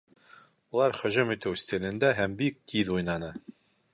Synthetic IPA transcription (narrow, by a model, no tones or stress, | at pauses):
ulˠɑɾχɵ̆ʑɵmit̪ɘwsʲt̪ʲilɘ̆nd̪æɦæmbik̚ːiðujnɑnɤ